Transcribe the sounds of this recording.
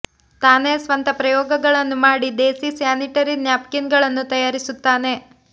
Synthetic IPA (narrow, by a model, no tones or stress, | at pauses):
t̪aːnesʋɐnt̪ɐpɾɐjɔːɡɐɡɐɭɐnːumaːɽid̪eːsisjaːniʈɐɾinjaːpkinɡɐɭɐnːut̪ɐjaːɾisut̪ːaːne̞